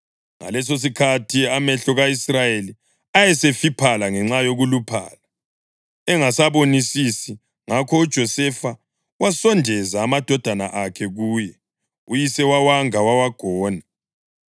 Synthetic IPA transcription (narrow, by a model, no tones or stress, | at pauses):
ŋa̰lɛs̬os̬ikʰatʰiamɛɬɔɣaisrajeli | ajɛsefipʰalaŋɛŋ͡ǁajoɣulupʰa̰ːla | ɛŋasaβonisisi | ŋakʰɔud̥ʒ̥ʱɔsɛfa | wasɔndʱɛzaːmad̥ʱɔd̥ʱana̰ʔakʰɛɣuːjɛ | ujisɛwawaŋawawaɡ̥ʱɔːna